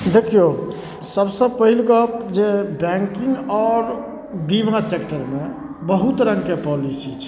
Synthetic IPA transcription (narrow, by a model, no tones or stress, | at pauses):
d̪ekʰijo | səbsəb̚pəɦilɡəd͡ʒebɛ̃ŋkɪ̃ŋɡɔːɾ | bimasekʈəɾmẽ | bəɦut̪ɾə̃ŋɡkepɔlisit͡ʃʰ